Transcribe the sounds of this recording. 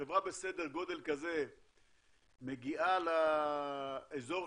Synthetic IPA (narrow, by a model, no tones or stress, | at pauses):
evʁabe̞sed̪e̞ʁɡo̞d̪e̞lkaze̞ | me̞ɡiʔala | ezo̞